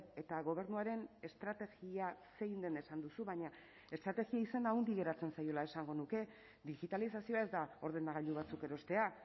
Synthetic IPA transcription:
e̞t̪aɣo̞β̞e̞ɾnuaɾe̞ne̞st̪ɾat̪e̞ɣiase̞jnd̪e̞ne̞sand̪usuβaɲa | e̞st̪ɾat̪e̞ɣiaisand̪aond̪iɣe̞ɾat͡se̞nsajo̞lae̞saŋɡo̞nuke̞ | ðiɣit̪alisasio̞ae̞zd̪ao̞ɾð̞e̞naɣaʎd̪uβ̞at͡suke̞ɾo̞st̪e̞a

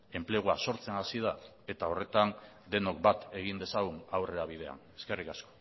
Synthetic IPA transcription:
e̞mple̞ɣ̞uaso̞ɾt͡se̞nasið̞a | e̞t̪ao̞re̞t̪an | d̪e̞no̞k̚bat̪e̞ɣ̞ind̪e̞saɣ̞unawre̞ɾaβ̞ið̞e̞a̰ne̞ske̞rikasko̥

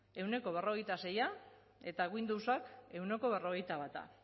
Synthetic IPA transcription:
e̞wne̞ko̞β̞e̞ro̞ɣ̞e̞jt̪ase̞ja | e̞t̪aɣuind̪uwsake̞wne̞ko̞βe̞ro̞ɣejt̪aβat̪a̰

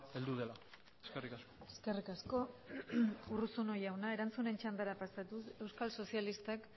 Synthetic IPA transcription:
eld̪uðela | eskerikaskoeske̞rikasko̞ | urusuno̞jawnae̞ɾant͡sune̞nt͡ʃand̪aɾapasat̪use̞wskalso̞sialist̪ak

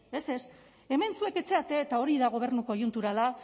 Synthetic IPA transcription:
e̞se̞s | e̞me̞nsue̞ke̞t͡se̞at̪e̞t̪ao̞ɾiðaɣ̞o̞β̞e̞ɾnuko̞junt̪uɾala

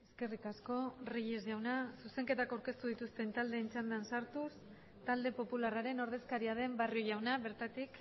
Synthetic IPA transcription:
e̞ske̞rikasko̞riʎezʝawnasuse̞ŋke̞t̪akawɾke̞st̪uðit̪ust̪e̞nt̪ald̪e̞ːnt͡ʃand̪ansaɾt̪us | t̪ald̪e̞po̞pularaɾe̞no̞ɾð̞e̞skaɾiað̞e̞mbario̞ʝawnaβe̞ɾt̪at̪ik

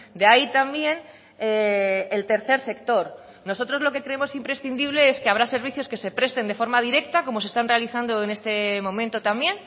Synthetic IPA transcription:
d̪eait̪ambje̞n | eelt̪e̞ɾθe̞ɾse̞kt̪o̞ɾ | no̞so̞t̪ɾo̞zlo̞ke̞kɾe̞emo̞simpɾe̞sθind̪iβ̞le̞eskeaβ̞ɾase̞ɾβ̞iθjo̞ske̞se̞pɾe̞st̪e̞nd̪e̞fo̞ɾmað̞iɾe̞k̚t̪ako̞mo̞sest̪anrealiθand̪o̞ene̞st̪e̞mõ̞mẽnt̪o̞t̪ambje̞n

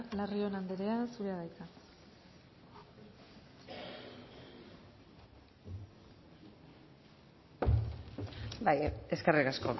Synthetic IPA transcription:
lario̞nand̪eɾe̞asuɾeaðajk̪a | bajeskerikasko̞

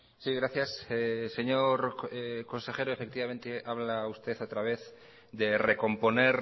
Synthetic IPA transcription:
siɣɾaθjasese̞ɲoɾeko̞nse̞xe̞ɾoe̞fek̚t̪iβamẽnt̪eʔaβlaust̪e̞θat̪ɾaβ̞e̞θ | ðereko̞mpo̞neɾ

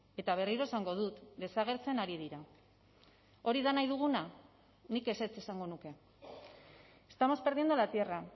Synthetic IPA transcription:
e̞t̪aβ̞e̞riɾo̞e̞saŋɡo̞ð̞ut̪d̪e̞saɣ̞e̞ɾt͡se̞naɾið̞iɾa | o̞ɾiðanajðuɣ̞una | nike̞se̞t͡se̞saŋɡo̞nuke̞ | est̪amo̞spe̞ɾðiend̪olat̪iera

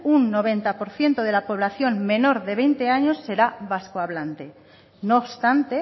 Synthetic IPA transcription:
unːo̞β̞e̞nt̪apo̞ɾθje̞nt̪oð̞e̞lapo̞β̞laθjo̞ŋme̞no̞ɾðe̞β̞e̞jnt̪e̞aɲo̞sːe̞ɾaβaskoaβlant̪e̞ | noːβst̪ant̪e̞

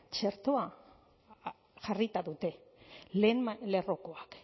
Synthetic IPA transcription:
t͡ʃe̞ɾt̪oa | ʝarit̪aðut̪e̞lenle̞ro̞ko̞ak

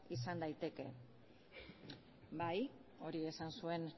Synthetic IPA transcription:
isand̪ajt̪e̞ke̞̰ | bajo̞ɾie̞sansue̞n

